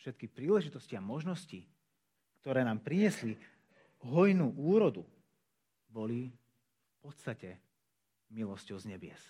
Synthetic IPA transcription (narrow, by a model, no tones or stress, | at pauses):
ʃɛt̪kipɾiːlɛʒit̪ɔsciamɔʒnɔsci | kt̪ɔɾɛːnaːmpɾiɲɪɛsli | ɦɔjnuʔuːɾɔd̪u | bɔli | fpɔt̪st̪acɛ | milɔscɔʊzɲɛbɪɛ̰s